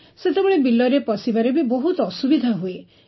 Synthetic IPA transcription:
set̪ebɔɭebilːɔɾepɔsibaɾebiboɦut̪ɔsubid̪ʱaɦue

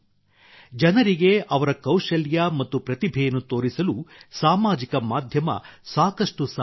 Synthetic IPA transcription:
d͡ʒɐnɐɾiɡe̞ʔɐʋɐɾɐkɐwʃɐljɐmɐt̪ːupɾɐt̪ibʱɛjɐnːut̪o̞ːɾisɐlusaːmaːd͡ʒikɐmaːd̪ʱjɐmɐ̰saːkɐʂʈus

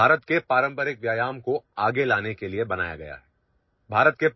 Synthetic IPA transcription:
aːɾət̪kepaːɾə̃mpəɾɪk̚ʋjaːjaːmkoaːɡelaːnekeliebɐna̰ːja̰ɡɐja̰ɦɛː | bʱaːɾət̪̚ke

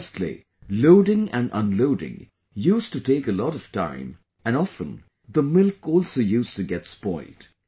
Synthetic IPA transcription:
stˡlḭ | loʊɾɪ̃ŋɨ̰̃nə̰̃nloʊɾɪ̰̃ŋ | jʉstɨtʰeɪkəlɔɾʌv̥tʰã̰ɪ̃m | ɨ̃nɔfə̃n | ðəmɪlˠkɔlˠsoʊjʉstɨɡɛtspɔɪld̥

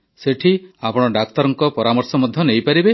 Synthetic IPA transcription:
seʈʰiapɔɽ̃ɔɖak̚t̪ɔɾɔŋkɔpɔɾamɔɾsɔmɔd̪ʱjɔnejpaɾibe

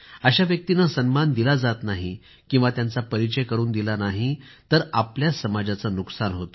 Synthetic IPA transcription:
əɕaʋjək̚t̪inasənmand̪ilad͡zat̪naɦi | kĩw̃ʋat̪jant͡sapəɾit͡ɕəjkəɾuːnd̪ilanaɦi | t̪əɾapljasəmad͡zat͡sanuksanɦot̪o

